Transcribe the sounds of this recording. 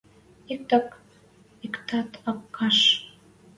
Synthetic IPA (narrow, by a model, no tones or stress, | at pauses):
ik̚t̪ɑk | ikt̪ɑt̪ɑkːɑʃ